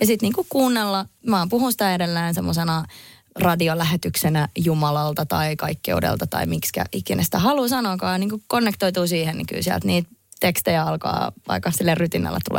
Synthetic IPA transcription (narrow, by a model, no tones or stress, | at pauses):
jɑsit̪niːŋkukuːnːelːɑmɑːpuhunsi̥t̪æedelːeːnsemːosenɑ | rɑdiolæhet̪yksenæjumɑlɑlt̪ɑt̪ɑikɑikːḛudḛlt̪ɑt̪ɑ̰imikskæ̰ʔikːinesit̪æhɑlusɑnokɑːniːŋkukonːekt̪oit̪uːsiːhennḭky̰lsiæ̰lt̪niːt̪t̪ekst̪ejæɑlkɑ̰ːʋɑ̰ikːɑsilːerryt̪inːæ̰lːʔḛt̪ṵlḛː